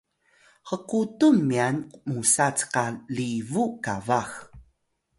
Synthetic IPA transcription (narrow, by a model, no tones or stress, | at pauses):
xəqutumːiankumusat͡sqalivukavax